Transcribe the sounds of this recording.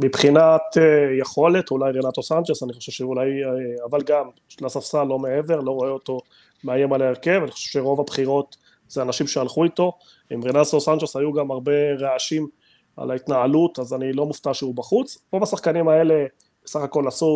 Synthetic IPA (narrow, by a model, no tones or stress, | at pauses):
mipχinat̪jeχo̞le̞t̪ulajʁenat̪o̞sand͡ʒesaniχo̞ʃevʃeulajavalɡam | lasafsalo̞mee̞ve̞ʁlo̞ʁo̞eo̞t̪o̞ | meajemalaeʁke̞vaniχo̥ʃevʃeʁo̞vabχiʁo̞t | z̥eanaʃimʃealχuit̪o̞ | imʁenasosand͡ʒeshajuɡamaʁbe̞ʁeaʃim | a̰lait̪naalut̪azanilo̞muft̪aʃeubaχut͡spobasaχkanimae̞le̞ | saχako̞lasu